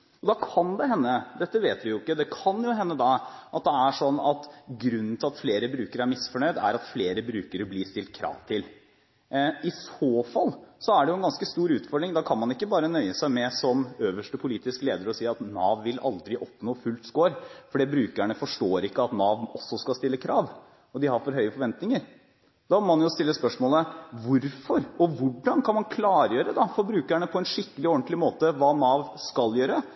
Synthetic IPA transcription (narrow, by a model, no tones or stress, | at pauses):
ɔd̪ɑːkʰɑnd̪ɛɦɛnːəd̪ɛt̪ːəʋeːt̪ʋɪjʊɪkːəd̪ɛkʰɑnjʊɦɛnːəd̪ɑʔɑt̪̚d̪ɛæʂɔnːɑt̪ɡɾʉnːn̩t̪ʰɪlɑt̪fleːɾəbɾʉːkəɾæɾmɪsfɔɳœʏd̪æ̰ɾɑt̪fleːɾəbɾʉːkəɾbliːst̪ɪlt̪̚kʰɾɑ̰ːʋt̪ʰɪl | ɪsoːfɑlsɔæɖɛjʊɛnɡɑnskəst̪uːɾʉːt̪fɔɖ̪ɾɪŋd̪ɑkʰɑnmɑnɪkːəbɑːɾənœʏəsæɪmɛsɔmøːʋəʂʈəpʰʊliːt̪ɪskəleːd̪əɾɔsiːɑt̪nɑːʋːɪlʔɑ̰ld̪ɾɪʔɔpnoːfʉlt̪skoːɾfɔɖɛbɾʉːkəæɳəfɔʂʈoːɾɪkːəɑt̪nɑːʋmɔsːɔskɑlst̪ɪlːəkʰɾɑːʋ | ɔd̪ɪhɑɾfɔɾɦœʏəfɔɾʋɛnt̪nɪŋəɾ | d̪ɑmɔmɑnjʊst̪ɪlːəspœʂmoːləʋʊɾfɔɾʔɔʋʊɖːɑnkʰɑnmɑnkʰlɑːɾjøːɾəd̪ɑfɔɾbɾʉːkæɳəpʰɔɛnʂɪkːəlɪɔɳt̪lɪmoːt̪əʋɑːnɑːʋskɑljøːɾə